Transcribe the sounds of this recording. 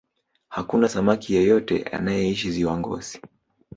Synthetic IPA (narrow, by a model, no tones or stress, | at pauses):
hakunasamakijɛjɔtɛ̰a̰najɛiʃiziwaŋɡɔ̰z̥i̥